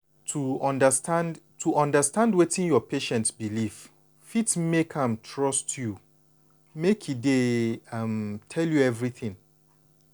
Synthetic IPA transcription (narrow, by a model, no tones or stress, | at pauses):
tʰuɔ̃ndəstãnd | tʰuʔɔ̃ndəstãndwetĩnjɔpʰeʃɛ̃ntsbilif | fitmekʰãmtʰɹɔstju | mekʰideamtʰɛljuɛvɹiθɪ̃ŋ